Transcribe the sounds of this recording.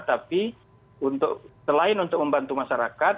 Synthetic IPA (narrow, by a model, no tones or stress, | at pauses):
t̪api | unt̪ʊ̰k̚səlaɪnunt̪ʊk̚məmbant̪umasaɾakat̪̚